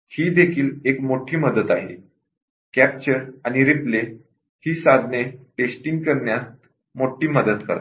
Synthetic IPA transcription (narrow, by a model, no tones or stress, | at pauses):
hiːd̪ekʰiːlekmoʈʰiːməd̪ət̪aɦḛ | kæp̚t͡ɕəɾaɽ̃iɾiple | hiːsad̪ʱneʈesʈiŋɡkəɾɳjast̪ | moʈʰiːməd̪ət̪kə̰ɾt̪